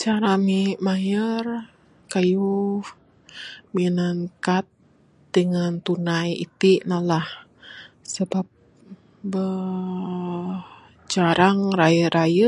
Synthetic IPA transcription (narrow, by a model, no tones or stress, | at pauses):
t͡ʃaɾamimajər | kaju | minaŋkat̪̚ | dəŋant̪unajḭt̪inalah | səbap̚ | bə | t͡ʃaɾaŋɾajəɾʔajə